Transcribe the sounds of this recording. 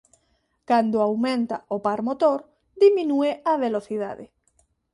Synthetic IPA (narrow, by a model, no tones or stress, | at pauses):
kand̪oawmẽnt̪a̰ʔopaɾmot̪oɾ | d̪imĩnueaβeloθiða̰ðɪ̰